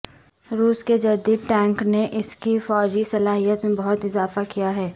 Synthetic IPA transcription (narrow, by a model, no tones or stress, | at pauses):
ɾuːsked͡ʒɐd̪iːd̪ʈɛ̃ːŋkneʔɪskifɔːd͡ʒisɐlaːɦijət̪mẽbɐɦʊt̪ɪzaːfakijaɦɛː